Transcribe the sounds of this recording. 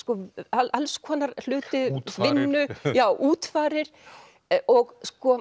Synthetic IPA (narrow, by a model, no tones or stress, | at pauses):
skɔaʔalskʰɔːnaɾl̥ʏːt̪ʏvɪnːʏjaːwʔuːt̪faːɾɪɾ̥ | ɔɣskɔ